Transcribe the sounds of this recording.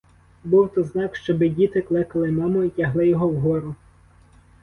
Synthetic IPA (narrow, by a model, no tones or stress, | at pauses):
buwt̪ɔznɑkʃt͡ʃɔbɪdʲit̪ɪklˠɪkɐlˠɪmɑmɔitʲɐɦlˠɪjɔɦɔwɦɔɾʊ